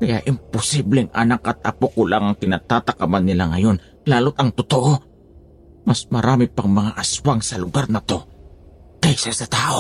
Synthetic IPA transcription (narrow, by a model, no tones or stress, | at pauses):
kɐjaʔɪmpʊsiblɛŋʔanakʔɐt̪̚ʔɐpokolaŋɐŋkɪnat̪aːt̪ɐkamanːɪlaŋɐjo̞n | laːlot̪ɐŋt̪ʊt̪oʔo | mɐsmɐɾʔaːmɪpɐŋmɐŋaʔaswaŋsɐlʊɡaɾnɐt̪o̞ | kɛjsasɐt̪aːʔo